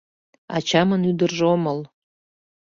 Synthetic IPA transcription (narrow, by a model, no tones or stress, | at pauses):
ɑ̰t͡ɕɑmənyd̪ərʒeoməl